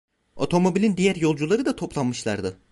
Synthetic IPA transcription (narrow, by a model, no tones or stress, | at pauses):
o̞̰t̪ʰo̞mo̞bilʲind̪ijæɾjo̞lˠd͡ʒulˠaɾɯd̪at̪ʰo̞plˠanmɯʃlˠa̰ɾd̪ɯ